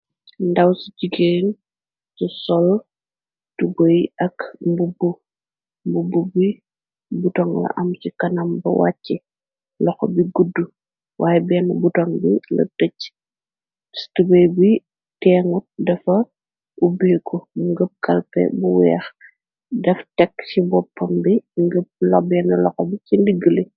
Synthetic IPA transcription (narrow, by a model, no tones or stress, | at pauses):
ndɐwsiciɡen | susɔl | tubojɐkmbubu | mbububi | butɔŋlɐ̰ʔɐmsikɐnɐmbɐ̰wa̰cːɛ | lɔxɔ̰biɡudːu | wʔaːjɛbɛːnbutɔŋbilɐ̰təc | stubɐjbi | tɛːŋut̚dɐfɐ | ubeːkʰɔmuŋɡəp̚kɐlpɛ̰buwɛ̰ːx | dɛftɛkːt͡ʃibɔpːɐmbiŋɡəp̚lɐbɛːnɐlɔxɔbicindiɡəli